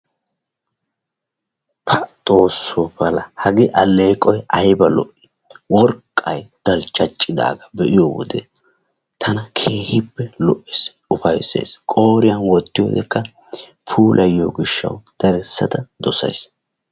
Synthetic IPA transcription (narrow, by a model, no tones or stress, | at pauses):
tʰɐt̪ʼo̞ːsːobɐlɐhɐɡɪʔɐle̞ːkʼːɔjʔɐjbɐlɔ̰ʔɪ̥ | wɔɾkʼːɐjd̪̥ɐlt͡ʃʼːɐt͡ʃʼːɪd̪a̰ːɡɐbɛʔɪjowɔ̰d̪ɛ | t̪ʰɐnɐkʰe̞ːhɪpːɛlɔʔɪs | ʊfɐjsḛːskʼo̞ːɾɪjɐnwɔt̪ːɪjo̰d̪ɛkːɐ | pʰuːlʔɐjːo̰ːɡɪʃːɐ̰wd̪̥ɐɾɛsːɐ̰t̪ɐd̪ɔsɐ̰js